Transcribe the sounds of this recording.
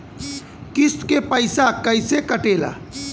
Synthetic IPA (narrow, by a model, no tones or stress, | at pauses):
kɪskepəɪsakəɪsekəʈeːla̰ː